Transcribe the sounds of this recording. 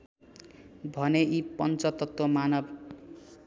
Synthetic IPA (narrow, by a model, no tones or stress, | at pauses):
bʱʌneʔipʌnt͡sʌt̪ʌt̪womanʌb